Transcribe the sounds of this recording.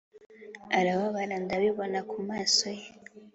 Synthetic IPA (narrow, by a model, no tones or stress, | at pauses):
aɾaβaβaɾandaβiβonakumaːsoje